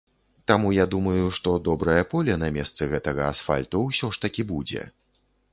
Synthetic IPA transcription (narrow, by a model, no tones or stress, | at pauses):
t̪amujad̪umɐjuʂt̪ɔd̪ɔbɾɐjɐpɔlʲɐnɐmʲɛst̪sɨɣɛt̪ɐɣɐasfa̰lʲt̪uwsʲɔʂt̪ɐkʲibud͡zʲɛ̰